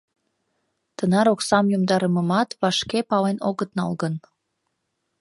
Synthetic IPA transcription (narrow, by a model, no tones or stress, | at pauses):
t̪ənɑɾoksɑmjumd̪ɑɾəməmɑt̪βɑʃkepɑlenoɣət̪̚nɑ̰lɣən